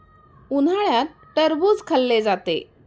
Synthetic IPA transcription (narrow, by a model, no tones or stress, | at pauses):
un̤aɭjat̪̚ | ʈəɾbud͡zkʰəlːed͡zat̪ḛ